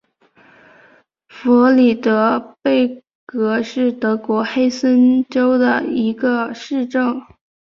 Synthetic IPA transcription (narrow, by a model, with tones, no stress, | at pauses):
fɔ˧˥li˨˩t̪ɤ˧˥pe˥˩ɪ | kɤ˧˥ʂɻ̩˥˩t̪ɤ˧˥kwɔ˧˥xe˥ɪsə˥nʈ͡ʂo˥ʊd̪ə̰˨˩i˧˥ɡə˧ʂɻ̩˥˧ʈ͡ʂɤ˥˩ŋ